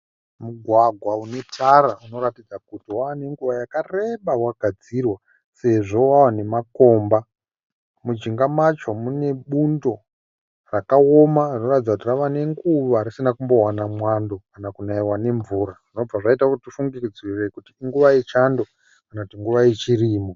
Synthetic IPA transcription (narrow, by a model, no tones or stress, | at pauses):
muɡʱwaɡʱwaune̞tʰaɾauno̞ɾatid͡zakutiwawane̞ŋɡuʋajakare̞ɓawaɡʱad͡zirwa | se̞ʐo̞wawane̞mako̞ːmba | mud͡ʒiŋɡamat͡ʃomune̞ɓundo̞ | rakaomarinoratid͡zakutiraʋane̞ŋɡuʋaɾisinakumbo̞wanamwando̞kanakunaiwane̞ɱvuːɾaʐ̥ino̞b͡vaʐaitakutifuŋɡirid͡zirekutiːŋɡuʋajet͡ʃando | kanakutiŋɡuʋajet͡ʃiriːmo